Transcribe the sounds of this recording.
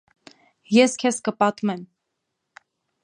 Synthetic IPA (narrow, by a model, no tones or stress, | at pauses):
jɛskʰɛskəpɑt̪mɛm